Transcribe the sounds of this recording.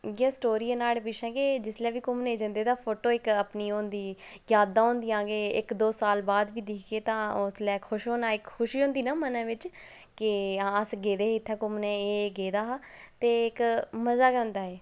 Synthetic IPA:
ɡaːsʈoːɾiːeːnaːlpɪʃʰɛ̃ːɡeːd͡ʒɪslɛːʋiːkʊmnẽːd͡ʒə̃nd̪eːd̪aːpʰoːʈoːɪkəpniːõːnd̪iːjaːd̪aːɦõːnd̪ijãːɡeːɪkd̪oːsaːlbaːd̪ʋiːd̪ɪkʰɡeːt̪ãːʊslɛːkʰʊʃɦõːnaːɪkxʰʊʃiːɦõːnd̪iːnãːmənãːʋɪt͡ʃ | kɪãːəsɡeːd̪eːɪt̪ʰːɛ̃ːkʊmnɛ̃ːeːɡeːd̪aːɦat̪eːɪkməzaːkənd̪aːɦɛː

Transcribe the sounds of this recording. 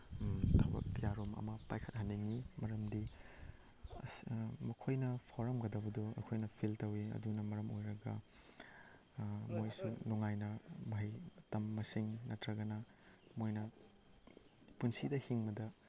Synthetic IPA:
tʰabɐ̰k̚tijaɾomɐ̰mɐpajkʰɐt̚hɐnːiŋimɐɾɐmdi | mɐkʰojnɐpʰoɾɐmɡɐdɐbɐdoɐ̰kʰojnɐpʰiltɐwiɐ̰dunɐmɐɾɐmojɾɐɡɐ | mojsunuŋajnɐmɐɦɐjtɐmːɐsiŋnɐtɾɐɡɐnɐ | mojnɐ | punsidɐhiŋbɐdɐ

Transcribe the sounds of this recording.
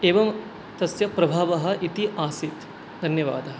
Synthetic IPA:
eːʋɐm | t̪ɐsjɐpɾɐbʱaːʋɐɦɐ̆ʔit̪iʔaːsit̪ | d̪ʱɐnjɐʋa̰ːd̪ɐɦɐ̆

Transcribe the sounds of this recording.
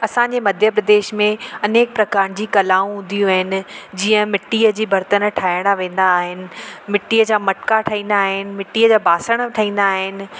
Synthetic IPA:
ɐsãɲd͡ʑemɐd̪ʱjəpɾɐd̪eːʃmẽɐneːk̚pɾɐkaːɾnd͡ʑiːkɐlaːũɦʊ̃n̆d̪ijũaːɦɪnɪ̆d͡ʑiːə̃mɪʈiːəd͡ʑiːbɐɾt̪ənʈʰaːɪɽ̃aʋẽːn̆d̪aːɦɪnɪ̆mɪʈːiːəd͡ʑaːmɐʈkaʈʰɐɦĩːnd̪aːɦɪnɪ̆mɪʈːiːəd͡ʑaːbʱaːsəɽ̃ʈʰɐɦĩːn̆d̪aːɦɪnɪ̆

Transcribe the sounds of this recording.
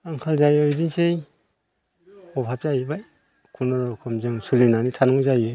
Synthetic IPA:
aŋkʰalzajɔdinsej | ɔpʰap̚zajbaj | kʰunɔɾkʰɔmzɯŋsulinanitʰanɔŋzajɯ

